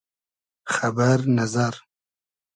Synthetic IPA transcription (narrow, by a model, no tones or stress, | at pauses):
xabaɾnazaɾ